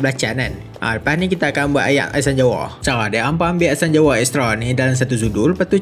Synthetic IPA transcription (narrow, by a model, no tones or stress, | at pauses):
blat͡ʃanan | ʔa̰pahnikit̪aːkanbuaʔaja̰a̰saɲd͡ʒawɔ̰t͡ʃaŋadɛampambiasand͡ʒawɔɛst̪ɾɔnidalams̬at̪us̬udulpat̪u